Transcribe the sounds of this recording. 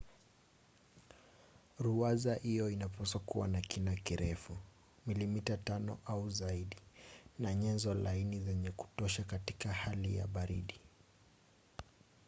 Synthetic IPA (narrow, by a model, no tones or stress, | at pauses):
ɾuazahijɔinapasɔkuwa̰nakinakiɾʔɛfu | milimitatanɔʔauzaiɗinaɲɛnzɔlainizɛɲɛku̥tɔʃakatikahalija̰ɓaɾḭɗi